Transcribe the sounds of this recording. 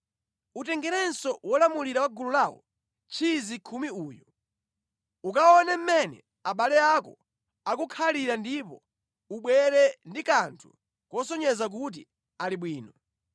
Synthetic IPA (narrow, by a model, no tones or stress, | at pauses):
utɛŋɡɛɾɛnsɔwɔlamuliɾawaɡululawɔ̰ | t͡ʃʰizikʰumiuːjɔ | ukaɔnɛm̩mɛnɛ̰ | aɓalɛakɔ | akukʰaliɾandipɔ | uɓwɛɾɛndikantʰu | kɔsɔɲɛzak̬ut̬ḭ | aliɓwiːnɔ